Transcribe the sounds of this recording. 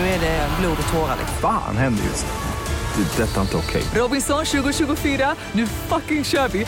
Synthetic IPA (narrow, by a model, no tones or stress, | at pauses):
ɛdɛɛnbluːd̪ɔt̪ʰoːɾa̰lɛ̰fa̰ːnhɛnd̪ə̰jɵ̰s | d̥̪ɛd̪ɛt̪ːaɪnt̪əɔkʰɛ̰jɾoːbɪŋsɔŋʃʉːɡʊʃʉːɡʊfiːɾa | nʉːfakɪ̃ŋʃœːbɪ